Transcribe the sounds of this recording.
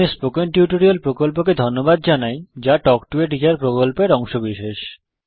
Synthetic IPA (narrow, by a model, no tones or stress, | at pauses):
espokenʈjuʈoɾiolpɾokolpok̬ed̪ʱonːobad̪d͡ʑanajd͡ʑaʈɔkʈueʈ̬ikaɾpɾokolpeɾɔŋʃobiʃeʃ